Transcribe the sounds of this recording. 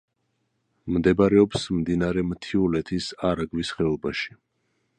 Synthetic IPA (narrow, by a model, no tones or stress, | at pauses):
md̪ɛbaɾɛɔpsmd̪inaɾɛmt̪ʰiulɛt̪ʰisaɾaɡvisχɛɔbaʃi̥